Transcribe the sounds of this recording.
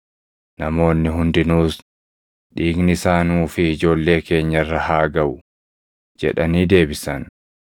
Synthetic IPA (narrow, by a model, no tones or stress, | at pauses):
nɐmo̞ːnːɪɦʊnd̪ɪnuːs | ᶑiːɡnɪsaːnuːfɪːd͡ʒo̞ːlːe̞ːke̞ːɲːɐrːɐhaːɡɐwʊ | d͡ʒɛ̰ᶑɐniːd̪e̞ːbɪsɐn